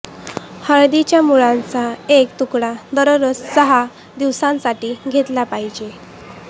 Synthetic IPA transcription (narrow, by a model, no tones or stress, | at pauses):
həɾd̪it͡ɕjamuɭãnt͡saek̚t̪ukɽad̪əɾəɾəssəɦa | d̪iʋsãnsaʈiːɡʱet̪lapaɦid͡ʑe